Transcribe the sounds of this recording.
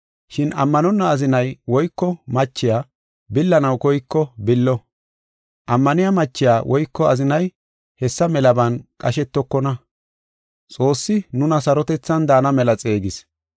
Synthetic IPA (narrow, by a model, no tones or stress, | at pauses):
ʃɪnɐ̰mːɐnɔnːɐːzɪnɐjwɔjkːɔmɐt͡ʃːɪjaː | bɪlːɐnɐwkɔjkːɔbɪlːɔ | ʔɐmːɐnɪjamɐt͡ʃːɪjaːwʔɔjkːɔɐzɪnɐj | hɛsːɐmɛlɐbɐnkʼɐʃɛt̪ːɔkːɔnɐ | t͡sʼo̞ːsːɪnʊnɐsɐɾɔt̪ɛt͡sːɐnd̪aːnɐmɛlɐt͡sʼe̞ːɡɪs